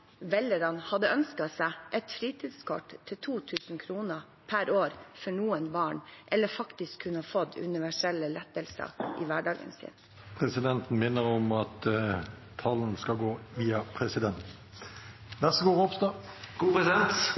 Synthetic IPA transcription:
ʋɛləɾɑnhɑd̪əœnskɑsæʔɛt̪fɾiːt̪ʰiːd̪skʰɔʈt̪ʰːɪt̪ʰuːt̪ʰʉːsn̩kʰɾuːnə | pʰæɾoːɾfɔɳuːənbɑːɳʔɛlːəɾfɑkt̪ɪskʰːʉnːəhɑfɔt̪ːʉ̰nɪʋæʂɛlːəlɛt̪ːəlsə̰ʔḭːʋæɖɑːɡə̰nsɪ̰ːn | pʰʁɛsɪd̪ɛnt̪n̩mɪnːəʁɔmɑt̪ʰː | ɑlːənskɑɡoːʋiːɑpʰʁɛsɪd̪ɛnt̪̩ | næʁsəɡoːʁɔpsd̪ɑɡ̥uːpʁɛsɪd̪ɛnt̪

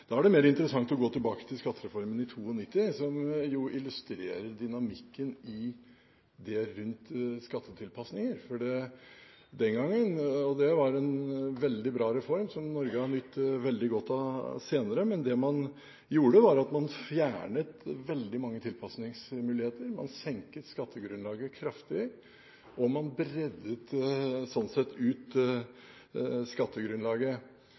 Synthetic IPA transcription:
d̪̥ɑæɖɛmeːɾəɪnt̪əɾəsɑŋt̪ɔɡoːt̪ʰɪlbɑːkə̥t̪ʰɪlskɑt̪ːəɾɛfɔɾmənɪt̪ʰuːɔnɪt̪ːɪsɔmjʊɪlʉst̪ɾḛːɾəɾɖ̪ɪnɑmɪkːənɪ | d̪ɛɾʉnt̪skɑt̪ʰːət̪ʰɪlpʰɑsnɪŋəɾfɔɖɛ | d̪ɛnɡɑŋːənɔd̪ɛʋɑɾɛnʋɛld̪ɪbɾɑːɾɛfɔɾmsɔmnɔɾɡəhɑnʏt̪ːʋɛld̪ɪɡɔt̪ʰːɑseːnəɾəmɛnd̪ɛmɑn | juːɽəʋɑɾɑt̪mɑnfjæːɳət̪ʋɛld̪ɪmɑŋːət̪ʰɪlpʰɑsnɪŋsmʉːlɪheːt̪əɾmɑ̰nsɛŋkət̪skɑt̪ʰːəɡɾʉnlɑːɡəkʰɾɑft̪ɪ | ʔɔmɑnbɾɛd̪ːət̪sɔnsɛt̪ʰːʉːt̪ | skɑt̪ːəɡɾʉnlɑːɡə

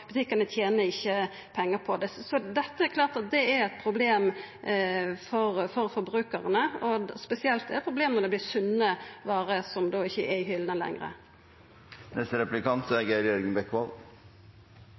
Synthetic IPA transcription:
b̥ʉt̪ʰɪkənət̪ʰjeːnəɪçːə | pʰɛŋːəpʰɔd̪ɛsɔd̪ɛt̪ːəæɾklɑːɾt̪ɑt̪̚d̪ɛæɾɛt̪̚pʰɾʊbleːm | fɔɾfɔɾfɔɾbɾʉːkəʁənəɔspɛsɪɛlt̪d̪ɛɾɛt̪̚pʰɾʊbleːmnɔɾd̪ɛb̪lɪːɾsʉnːəʋɑːɾəsɔmd̪oːɪçːəʔɛɪɦʏləlɛ̰ŋɾə̰ | nʔɛst̪əɾɛplɪkɑnt̪sɔɛɡəɾjœɾɡəŋbɛkːʋɑl

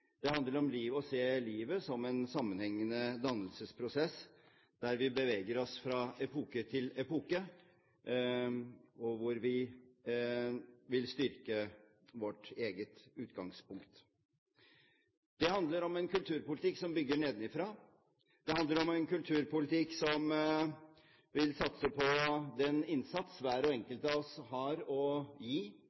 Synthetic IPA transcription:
d̪̥ɛhɑnd̪ləɾɔmliːʋɔseːliːʋəsɔmɛnsɑmːənhɛŋːənəd̪ɑnːəlsəspʰɾʊsɛsː | d̪̥æɾʋɪbəʋeːɡəɾɔsfɾɑɛpʰuːkət̪ʰɪlɛpuːkə | ɔʋʊɾʋɪ | ʋɪlst̪ʏɾkə | ʋɔʈːeːɡət̪ʉːt̪ɡɑŋspʊŋkt̪ | d̪̥ɛhɑnd̪ləɾɔmɛnkʉlt̪ʰʉːɾpʊlɪt̪ɪkːsɔmbʏɡːəɳeːd̪nɪfɾɑː | d̪̥ɛɦɑnd̪ləɾɔmɛnkʉlt̪ʰʉːɾpʊlɪt̪ɪksɔm | ʋɪlsɑt̪səpʰɔd̪ɛnɪnsɑt̪sʋæːɾɔɛŋkəlt̪əɑɔshɑɾɔjiː

